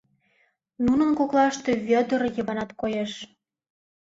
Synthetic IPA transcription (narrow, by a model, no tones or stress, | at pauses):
nunə̆nkoklˠɑʃt̪eβʲød̪ərjɤ̆βɑnɑt̪kojeʃ